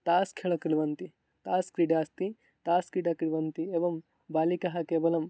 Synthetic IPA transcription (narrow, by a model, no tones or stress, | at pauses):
t̪aːskʰeɭɐkɾiʋɐnt̪i | t̪aːskɾiɖaːst̪i | t̪aːskɾiɖaːkɾiʋɐnt̪ieʋɐm | baːlikɐɦɐkeːbɐlɐm